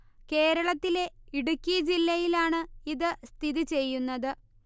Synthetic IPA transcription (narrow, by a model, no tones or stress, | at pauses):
ke̞ːɾɐɭɐt̪ːile̞iɽukʲːijɐd͡ʑilːɐjilaːɳɨiðɨst̪ʰiðit͡ɕe̞jːunːɐðɨ